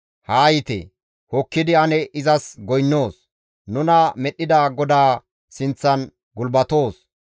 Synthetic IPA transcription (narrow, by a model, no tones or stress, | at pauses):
haːjɪt̪ɛ̰ | hɔkːɪd̪ɪɐnɛʔɪzɐsɡɔjnːoːs | nʊnɐmɛɗːɪd̪aːɡɔd̪aː | sɪnt͡sːɐn | ɡʊlbɐt̪o̞ːs